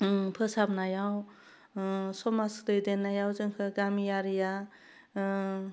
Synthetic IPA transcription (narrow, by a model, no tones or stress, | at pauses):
pʰɯsabnajaw | sɔmasdɯjdenːajawzɯŋkʰɯɡamijaɾija